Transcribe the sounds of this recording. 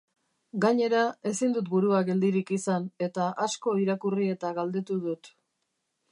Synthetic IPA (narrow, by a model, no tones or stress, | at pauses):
ɡaɲe̞ɾae̞sind̪ut̪̚buɾuaɡe̞ld̪iɾikisane̞t̪aʔasko̞iɾakurie̞t̪aɣald̪e̞t̪uðut̪